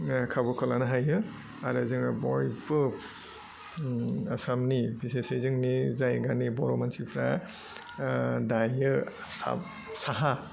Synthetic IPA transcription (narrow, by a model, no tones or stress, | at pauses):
kʰabɔkʰɔlanɯɦajɯ | aɾazɯŋabɔjbɯ | asamnibisesezɯŋnizajɡanibɔɾɔmansipʰɾa | dajɯa̰ | saɦa